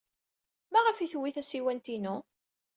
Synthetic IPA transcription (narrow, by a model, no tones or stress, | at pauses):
mæʁəfiθwiθæsiwænt̪inu